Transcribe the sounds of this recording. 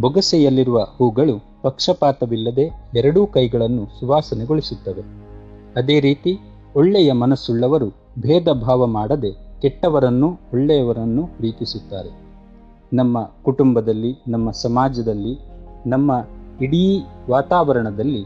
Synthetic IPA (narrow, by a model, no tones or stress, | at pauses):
bɔɡɐsɛjɐlːiɾuʋɐhuːɡɐɭu | pɐkʂɐpaːt̪ɐʋilːɐd̪e̞ɛɾɐɽukɐjɡɐɭɐnːusuʋaːsɐneɡoɭisut̪ːɐʋe̞ | ɐd̪e̞ːɾiːt̪i | ɔɭːɛjɐmɐnɐsuɭːɐʋɐɾu | bʱɛːd̪ɐbʱaːʋɐmaːɽɐd̪e̞kɛʈːɐʋɐɾɐnːuɔɭːɛjɐʋɐɾɐnːuɾiːkisut̪ːa̰ːɾe̞ | nɐmːɐkuʈumbɐd̪ɐlːinɐmːɐsɐmaːd͡ʒɐd̪ɐlːinɐmːɐiɽiʋaːt̪aːʋɐɾɐɳɐd̪ɐlːi